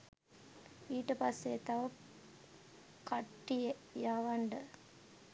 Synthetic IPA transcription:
iːʈːɐpɐset̪aʋɐ | kɐʈːijejaːʋɐɳɖə

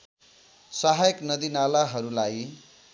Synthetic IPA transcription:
sʌɦajʌknʌd̪inalaɦʌɾulaj

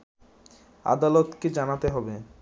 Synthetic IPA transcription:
a̰d̪alot̪ked͡ʑanat̪eɦɔbe

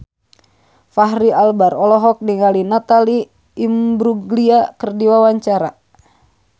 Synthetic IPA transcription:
faɦɾialbaɾɔlɔɦɔk̚niŋalinat̪aliː | mbɾuɡliakərdiwawaɲt͡ʃaɾa̰

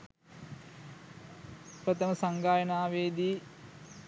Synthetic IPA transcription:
pɾət̪əməsaŋɡaːjənaːʋeːd̪iː

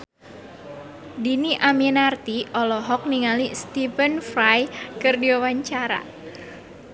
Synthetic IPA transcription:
diniʔaminart̪iʔɔlɔɦɔk̚niŋalist̪ifənfrajkɨrdiwawaɲt͡ʃaɾa̰

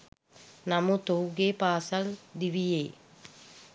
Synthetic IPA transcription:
namut̪owɡeːpaːsɐld̪iʋijeː

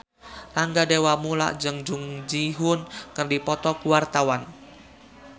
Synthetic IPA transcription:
laŋɡadewamula̰ʔd͡ʒəŋd͡ʒuŋd͡ʒiɦʊnkərdipɔt̪ɔkuwart̪awan

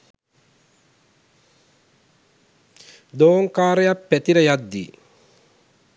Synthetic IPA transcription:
d̪oːŋkaːɾəjapːæt̪iɾəjat̪ːḭ

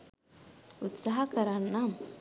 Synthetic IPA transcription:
ut̪saɦakɐɾanːam

